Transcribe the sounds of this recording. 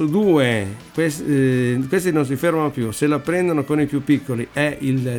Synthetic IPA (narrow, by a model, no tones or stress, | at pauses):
ud̪uːekweskwest̪inons̬ifermanopjuselapːɾɛnd̪onokonipjupːikːoliʔɛil